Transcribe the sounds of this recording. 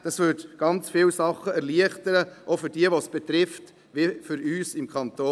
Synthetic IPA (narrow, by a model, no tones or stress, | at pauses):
d̥ɑsvʏtɡ̥ɑnt͡sfɪlsɑχːəɛɾliəχtəɾəʔofʏɾdiəʋosb̥ɛt̪ɾɪft | ʋifʏɾyːsɪmkʰχɑnto